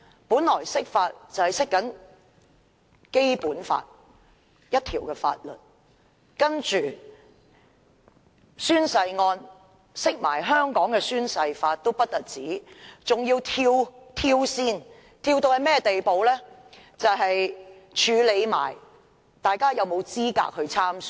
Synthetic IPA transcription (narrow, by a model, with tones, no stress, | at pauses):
puː˨˥nlɔː˨˩jsɪ˥k̚faː˧t̚t͡sɐ˨˩whjsɪ˥kːɐ˨˥n | ke˥jpuː˨˥nfa̰ː˧t̚ | jɐ˥t̚t̪ʰiː˨˩wkɛː˧fa̰ː˧t̚lɵ̰˨˩t̚ | kɐ˥nt͡ʃyː˨˩ | syː˥nsɐ˧jŋɔː˧n | sɪ˥k̚ma̰ː˨˩jɦœː˥ŋkɔː˨˥ŋkɛː˧syː˥nsɐ˧jfaː˧t̚t̪o˥wpɐ˥t̚t̪ɐ˨t̚t͡siː˨˥t͡sʊ˨ŋjiː˧wt̪ʰiː˧wt̪ʰiː˧wsiː˧n | t̪ʰiː˧wt̪o˧whɐ˨jmɛː˥t̪e˨jpo˨wlɛː˥ | t͡sɐ˨wɦɐ˨j | t͡ʃʰyː˨˧le˨˧jma̰ː˨˩j | t̪aː˨jkaː˥jɐ˨wmo˨˧wt͡siː˥ka̰ː˧k̚hɵ˧ɥt͡sʰaː˥msy˨